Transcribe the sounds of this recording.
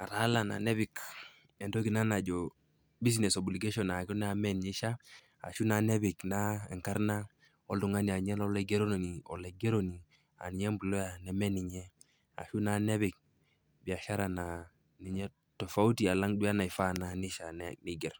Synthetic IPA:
a˨ɾa˦la˨na̰˨nɛ˦βi˨k | ɛ˨ndo˦ki˨na˦na˨d͡ʒɔ˨ | bi˦s̬nɛ˨sɔ˨bu˨li˨ɡe˦ʃɔ˨na˨kɔ˦n˦a˨mɛ˦nɲi˦ʃa˦ | a̰˨ʃu˦na˨nɛ˦βi˨kna˦ɛ̰˨ŋka˦ɾna˦ | ɔ˦ldu˨ŋa˦ni˨a˨ɲɛ˦lɔ˦le˦ɡe˦ɾo˦n˨ni˨ɔ̰˨le˨ɡe˦ɾo˦ni˨ | a̰˨ni˨ɲɛ˦mbu˨lo˦ja˨nɛ˨mɛ˦ni˨ɲɛ˦ | a̰˨ʃu˦na˨nɛ˦βi˨k̚ | bi˨a˨ʃa˦ɾa˨na˨ | ni˨ɲɛ˦ | to˨fa˦u˦ti˨a˨la˦ŋdu˦a˦na˨i˨fa˦na˨ni˦ʃa˨nni˦ɡɛ˨ɾ

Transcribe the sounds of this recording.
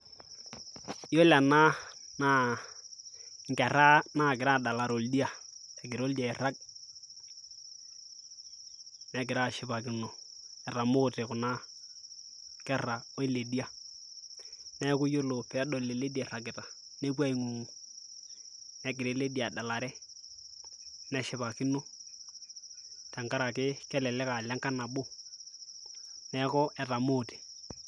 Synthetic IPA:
jo˦la˨na˦na˦ | ŋkɛ˨ɾa˦na˦˨k̬ɪ˨ɾa˦˨da˨la˨ɾo˨ldi˦a˨ɛ˨k̬ɪ˨ɾo˦lda˨ɛ˨ra˦k̚ | nɛ˨˦kɪ˨ɾa˦˨ʃɪ˦pa˨kɪ˨nɔ˨ɛ˨ra˨mʊ˦tɪ˨kʊ˨na˦ | kɛ˦ra˨o˦i˦le˨di˦a˨ | nɛ˦kʊ˦jo˦lo˨pɛ˨˦dɔ˨le˨le˦di˦ɛ˨ra˨k̬ɪ˨ta˨ | ne˦k̬wa˦i˨ŋu˨ŋu˨ | nɛ˦kɪ˨ɾe˨˦le˦di˦a˨da˨la˨ɾɛ˦ | nɛ˨ʃɪ˦βa˨kɪ˦no˦ | tɛ˨ŋka˦ɾa˨kɪ˦kɛ˦lɛ˨lɛ˦ka˨lɛ˦ŋka˦na˨bʊ˦ | nɛ˨˦kɔ˦ʔɛ˨ta˨mo˦˨te̥˨

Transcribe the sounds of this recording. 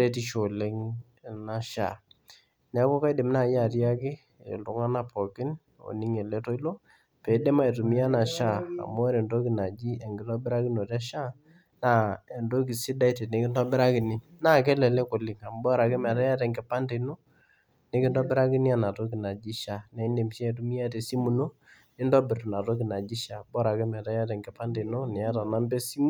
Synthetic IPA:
ɾɛ˦ti˦ʃo˨lɛ˦ŋ˨ | na˦ʃa̰˨ | ɲa˨˦ko˦ka˦jdɪ˨mna˦˨˦ja˨tja˦kɪ˦ | ḛ˨lu˨ŋa˦na˨pɔ˨kɪ˦n | o̰˨ni˦ŋɛ˨lɛ˦tɔ˦i˦lo˦ | pɛ˨dɛ˦ma˦e˨tu˨mi˦a˦na˨ʃa˦a̰˨mɔ˦ɾɛ˨ndo˦ki˨na˨d͡ʒi˦a˨ŋɡɪ˨tɔ˦bɪ˦ɾa˦kɪ˦no˨tɛ˦ʃa˦ | na˦˨e˨ndo˦k̬i˨si˦da˦i˦te˨ne˨˦kɪ˦ndɔ˦bɪ˦ɾa˦kɪ˨ni˦na˦k̬ɛ˦lɛ˨le˦kʊ˨lɪ˨ŋa˨m˦bɔ˦ɾa˨ke˦mɛ˨ta˦ja˦tɛ˨ŋɡɛ˨pa˦nde˨no˦ | ne˨˦kɪ˦ndɔ˦bɪ˦ɾa˦kɪ˦ni˦a˦na˨to˦ki˨na˨d͡ʒi˦ʃa˨nɛ˨˦i˦nde˨m˨ʃɛ˦˨tu˦mi˦a˦te˨si˦mu˨no˦ | nɪ˦ndɔ˦bɪ˨ɾtu˨na˨to˦kɪ˨na˨d͡ʒi˦ʃa˨bɔ˦ɾa˨ke˦mɛ˨ta˦ja˦tɛ˨ŋɡɛ˨pa˦nde˨no˦nɛ˨ja˦ta˨na˦mbe˦si˦mu˦

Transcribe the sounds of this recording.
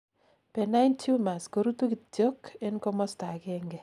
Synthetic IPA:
pɛ˨na˦intʰju˦ma˨sko˨ɾutu˦kittjo˦kɪ˦nkɔmɔ˦sta˨kɛŋɡɛ˨

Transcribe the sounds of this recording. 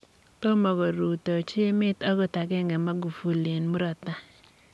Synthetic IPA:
to˦mɔ˨ɡɔ˨ɾu˨tɔ˨t͡ʃe˦mɪ˦tɔ˦ɡɔ˦ta˨ɡɛ˦ŋɡɛ˨ma˦ɡu˨fu˨le˨nmu˦ɾɔ˨t̪a˦

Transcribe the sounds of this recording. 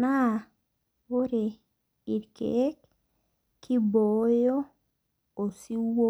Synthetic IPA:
na˦ | wo˦ɾe | i˨ɾkḛ˦k | kːi˦bo˨jo˦ | o˨si˦wo

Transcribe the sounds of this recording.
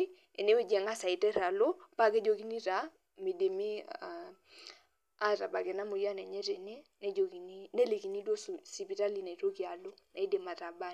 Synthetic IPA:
i˦ | ḛ˨ne˦we˦d͡ʒɛ˨ŋa˦sa˨i˨tɛ˦ɾa˨lo˦pa˦ke˦d͡ʒo˨ki˦ni˦ɾa˨ | me˨de˨mi˦˨ | a˦ɾa̰˨ba˨ɡe˨na˦mʊ˨ja˦nɛ˨ɲɛ˦ɾe˨nɛ˦nɛ˦d͡ʒo˨ki˨ni˦ne˦le˨ki˨ni˦dwo˦ssi˨pi˨ta˦li˨ne˨ɾo˦ki˨a˨lo˦na˨i˦de˨ma˨ta˨ba˦˨

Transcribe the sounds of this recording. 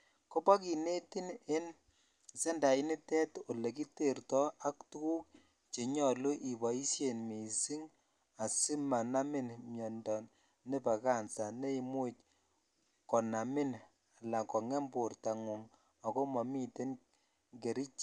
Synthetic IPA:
ko˦pa˦ki˨ne˦ti˦ne˦n | sɛ˦nda˨ɪ˦ni˦tɛ˦to˨le˨k̬i˦te˨rtɔ˦a˦ktu˦ku˦k | t͡ʃe˨ɲɔ˨lu˦ʔi˨ba˨i˦sje˨nme˨si˦ŋ | a˨sɪ˦ma˨na˦mɪ˦nmjɔ˨ndɔ˨n | ne˦pa˨ka˦˨nsa˨ne˦i˨mu˦t͡ʃ | kɔ˨na˨mɪ˦n | a˨la˨kɔ˨ŋɛ˦mbo˨rta˨ŋu˨ŋ | ɔ˨ko˦mɔ˨mi˦te˦n | ŋɡe˨ɾi˦t͡ʃ

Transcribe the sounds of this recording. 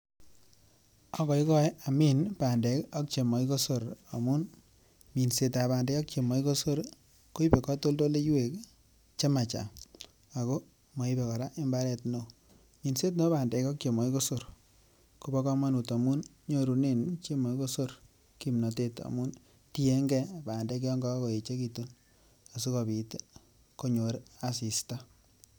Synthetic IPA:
ɔ˨kɔ˨i˦kɔ˦ja˨mi˦npa˨ndɛ˨kɔ˦k̚t͡ʃe˨mɔ˨i˦ko˦so˨ɾa˨mu˦n | mi˨nse˨ta˨baː˨ndɛ˦ɔ˦k̚t͡ʃe˨mɔ˨i˦ko˦so˦ɾ | ko˦i˦pɛ˨kɔ˦to˦lto˦le˦ju˦we˨k | t͡ʃe˦ma˨t͡ʃa̰˨ | a˨ko˦ | mɔ˨i˦pɛ˨kɔ˨ɾa˦ʔɪ˦mba˦ɾɛ˨tno˨ | ɲi˨nse˦t̬no˦baː˨ndɛ˨kɔ˦k̚t͡ʃe˨mɔ˨i˦ko˦so˦ɾ | ku˨bɔ˦kɔ˦ma˦nu˨ta˨mu˦n | ɲo˦ɾu˨ne˦˨nt͡ʃe˦mɔ˨i˦ko˦so˦ɾ | ki˨mno˨te˦ta̰˨mu˦n | ti˦e˦ŋɡɛ˦baː˨ndɛ˨˦k̬ɔ˦ŋɡɔ˦ko˨e˨t͡ʃe˦ki˨tu˦n | a˨s̬u˦kɔ˨bi˨t | ko˦ɲo˨ɾa˨si˨sta˦

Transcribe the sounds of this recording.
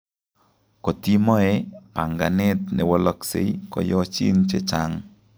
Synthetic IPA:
ko˨ti˦mɔ˦e˦pa˨ŋɡa˨nɪ˦t̪nɛ˨wɔ˦lɔ˦ksḛ˨i˦kɔ̰˨jɔ˦t͡ʃḭ˦nt͡ʃe˦t͡ʃa˦ŋ

